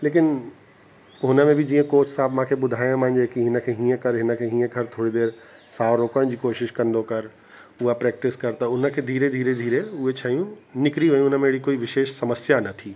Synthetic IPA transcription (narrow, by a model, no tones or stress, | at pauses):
leːk̬ɪn | ɦʊnə̆mẽbʱid͡ʑĩːə̃koːt͡ʃsaːbmãːkʰeɓʊd̪ʱaːjõmãɦɪ̃ɲd͡ʑekiɦɪnə̆kʰeɦĩːə̃kɐɾɦɪnə̆kʰeɦĩːə̃kʰɐɾt̪ʰoːɽid̪eːɾ | saːʋɾoːkãd͡ʑiːkoːʃɪʃkɐ̃nd̪okɐɾ | ʊɦapɾɛːk̚ʈɪskɐɾt̪ɐʊnəkʰed̪ʱiːɾed̪ʱiːɾed̪ʱiːɾeʊɦet͡ɕʰaːijũnɪkɾiʋejũʊnəmẽɪɽikoːiʋɪʃeːʃsɐməsjanɐt̪ʰiː